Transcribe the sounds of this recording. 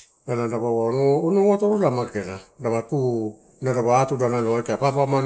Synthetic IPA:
aladaβawaonoonowatoɾolamakeɾadaβatu | naɾaβaatudanaloajkajpapaman

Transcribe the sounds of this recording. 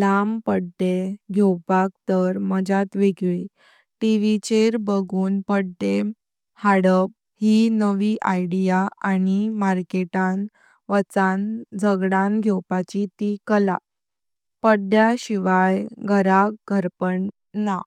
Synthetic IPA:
lampəɽd̪eɡʱewpak̚t̪əɾməd͡ʑat̪ʋeɡɭi | ʈiʋit͡ɕeɾbəɡuːnpəɽd̪e | haɽəp̚ | hinəʋiːʔajɽijaanimaɾkeʈan | ʋət͡sand͡zəɡɽanɡʱjewpat͡ɕit̪ikəla̰ | pəɽɖjaɕiʋajɡʱəɾakɡʱəɾpəɳ | na

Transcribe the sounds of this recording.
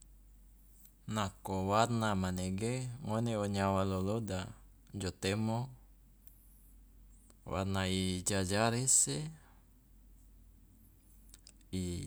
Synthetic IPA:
nakowarnamaneɡeŋoneoɲawaloloda | d͡ʒot̪emo | wa̰rnaid͡ʒad͡ʒaɾɛse | i

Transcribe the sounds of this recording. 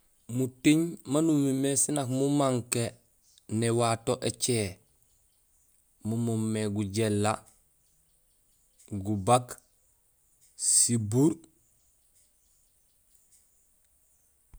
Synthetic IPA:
mutiɲmanumimesinakmumaŋke | newatoʔet͡ʃe | mumumːeɡuɟelːa | ɡubak | sibuɾ

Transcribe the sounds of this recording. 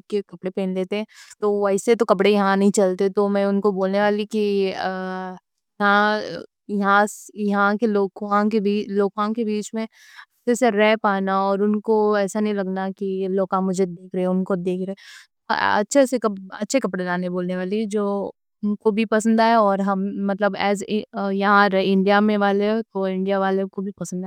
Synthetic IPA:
kekɐpɽepẽːnleːt̪eɦɛ̃ːt̪oɛɪset̪okɐpɽejɐɦãnɐɦĩt͡ʃɐlt̪et̪omɛ̃ʊnkoboːlneʋaːliki | jɐɦã | jɐɦãsjɐɦãkeloːkãkebiːloːkãːkebiːt͡ʃmẽ | ɐʃʰeseɾɛɦpaːnaɔːɾʊnkoɛːsanɐɦĩlɐɡnakiloːkãmʊd͡ʒʱed̪eːkʰɾɐɦɛ̃ʊnkod̪eːkʰɾɛɦɛt̪oɐ̰tːʃʰesekɐɐtːʃʰekɐpɽelaːneboːlneʋaːlid͡ʒoː | ʊnkobʱipɐsə̃nd̪aːɦɛɔːɾɦɐmːɐt̪ləbɛ̰ːzjɐɦãɾɛɪ̃ɳɖijamẽʋaːlet̪oɪ̃ɳɖijaʋaːlekobʱipɐsə̃nd̪aː

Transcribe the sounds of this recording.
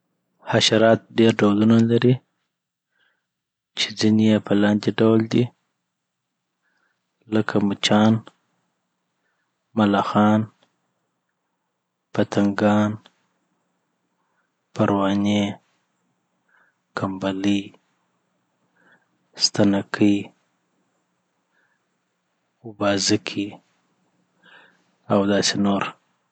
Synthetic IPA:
haʃaɾɑt̪̚ɖeɾɖawlunalaɾi | t͡ʃe̥d͡zinejepʰəlɑnd̪iɖawld̪i | ləkʰamut͡ʃɑn | malaxɑn | pat̪aŋɡɑn | paɾwɑne | kʰambali | st̪anakʰəj | ʊbɑzəkʰi | awd̪ɑsenoɾ

